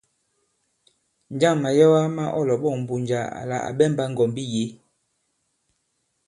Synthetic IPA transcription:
n˦d͡ʒa˦˨ŋma˨jɔ˦wa˦ma˦ʔɔ˦˨lɔ˨ɓɔ˦˨m̩˨bu˨nd͡ʒa˨a̰˨la̰˨ʔa̰˨ɓɛ˦˨mba˦ŋ̩˨ɡɔ˨mbi˦je˨˦

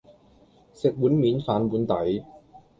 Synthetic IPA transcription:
se˨˩k̚wu˨˥nmiː˨˦˥nfaː˨˥nbu˨˥nt̪a˨˦j

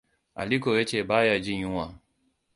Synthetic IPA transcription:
a̰˨li˦kɔ˨wɛ˦t͡ʃɛ˨ba˦ja˨d͡ʒi˦ɲũ˦wa˨

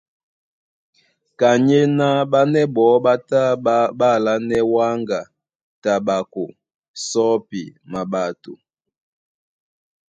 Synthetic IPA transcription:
ka˨ɲe˦na˦ɓa˦nɛ˦bɔ˨˦ɓa˦ta˦ba˦˨la˦nɛ˦wa˦ŋɡa˨ | ta˨ɓa˨ko˨ | sɔ˦pḭ˨ma˨ɓa˨tu˨

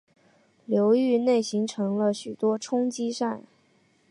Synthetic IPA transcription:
ljo˧˥ʊy˥˧ne˥˩ɪɕi˧˥ŋʈ͡ʂʰɤ˧˥ŋlə˧ɕy˨˩t̪wɔ˥ʈ͡ʂʰʊ˥ŋt͡ɕi˥ʂa˥˩n

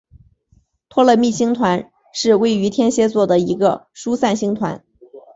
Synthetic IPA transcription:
t̪ʰwɔ˥lə˥˧mi˥˩ɕi˥ŋt̪ʰwa˧˥n | ʂɻ̩˥˧we˥˩ɪy˧˥t̪ʰjɛ˥nɕjɛ˥t͡swɔ˥˩d̪ə˩i˧˥ɡə̰˧ʂu˥sa˥˩nɕi˥ŋt̪ʰwa̰˧˥n

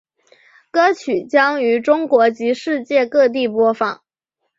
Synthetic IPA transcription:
kɤ˥t͡ɕʰy˨˩t͡ɕjɑ˥ŋy˧˥ʈ͡ʂʊ˥ŋkwɔ˧˥t͡ɕi˧˥ʂɻ̩˥˧t͡ɕjɛ˥˧kɤ˥˧t̪̬i˥˩pwɔ˥fɑ̰˨˩˦ŋ

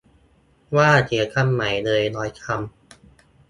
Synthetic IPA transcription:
waː˥˩t͡ɕʰi˨˩˦t̚kʰa˧mːa˩˦jnɤː˧jnɔː˦jkʰa˧m

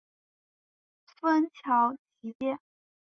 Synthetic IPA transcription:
fə˥nt͡ɕʰjɑ˧˥ʊt͡ɕi˧˥tjɛ˥˩n

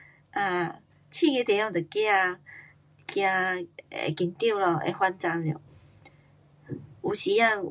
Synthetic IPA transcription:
a˧˩ | t͡ɕʰĩ˥˧ŋe˧˦t̪e˨˩˦jɔ˥˧ŋt̪ə˨˩ki˦a˧ | kjã˧ḛ˨˩ki˧nt̪ji˥˨lɔ˨ḛ˧hwa˦nt͡sa˧nljo̰˨˩˨ | u˨˩ɕi˨˩ja˥˧

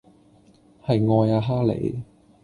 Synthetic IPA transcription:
hɐ˨jŋɔː˧jaː˧ɦaː˥lḛ˨˦j

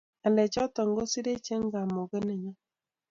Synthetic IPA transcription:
a˨lɛ˨t͡ʃɔ˦tɔ˨ŋɡo˦si˦ɾe˦t͡ʃe˦ŋɡa˨mo˨ɣe˦ne˨ɲa˦

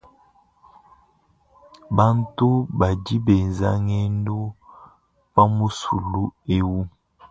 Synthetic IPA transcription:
ba˦ntu˦ba˨ɟi˦be˨za˦ŋɛ˦ndu˦ | pa˦mu˦su˨lu˦e˦wu˦

